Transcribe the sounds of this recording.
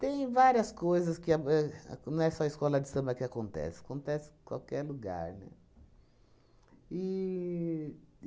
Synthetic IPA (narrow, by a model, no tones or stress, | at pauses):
t̪ẽj̃vaɾiɐskojzɐskɪaɛ̰nɐ̃w̃ɛsɔɐɪskɔlɐd͡ʒɪsɐ̃mɐkɪakõnt̪ɛ̰sɪ̥ḁkõnt̪ɛsɪ̥kwa̰wkɛɾluɡa̰ɾnɛ̰ | ɪ